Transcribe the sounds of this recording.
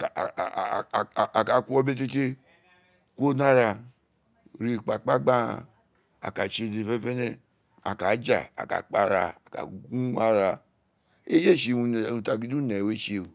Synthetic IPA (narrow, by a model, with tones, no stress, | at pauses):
ka˨a˨ka˨˦ku˦o˦be˦t̬e˦t͡ʃe˦ | kʷo˦na˦ɾa˧˨ | ɾi˨k͡pa˨k͡pa˦ɡ͡ba˦a̰˨ | a̰˨ka˨t͡ʃe˦˧˨de˨fe˦fe˦nɛ˦ | a̰˨ka˨˦d͡ʒa̰˨a̰˨ka̰˨k͡pa˨ɾa˨a˨ka̰˨ɡu˦a˦ɾa˨ | e˦d͡ʒe˦˨ʃe˨u˧˨ũ˧˨ta˨ɡi˦du˦nɛ˨we˦ʃe˨u˨